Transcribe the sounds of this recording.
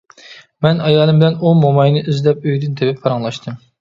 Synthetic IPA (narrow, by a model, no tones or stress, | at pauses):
mɛnɑjɑːlˠɨmbɪlɛnumomɑjnɨʔyzlɛp̚øjd̪ɨnd̪epɪpʰːɑɾɑŋlˠɑʃt̪ʰɨm